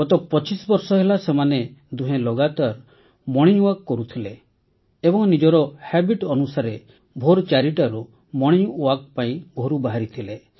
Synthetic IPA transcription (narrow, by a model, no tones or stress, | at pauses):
ɔt̪ɔpɔt͡ʃisbɔɾsɔɦelasemaned̪uɦẽlɔɡat̪aɾ | mɔɽ̃iɲuakːɔɾut̪ʰileː | bɔŋnid͡ʒɔɾɔhɛbiʈɔnusaɾe | bʱoɾt͡ʃaɾiʈaɾu | mɔɽ̃iɲuak̚paĩɡʱoɾubaɦaɾit̪ʰile